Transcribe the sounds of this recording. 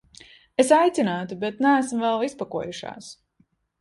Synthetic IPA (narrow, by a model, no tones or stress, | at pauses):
esajt̪sinaːt̪ubet̪næːsmvɛlˠispakuɔjuʃa̰ːs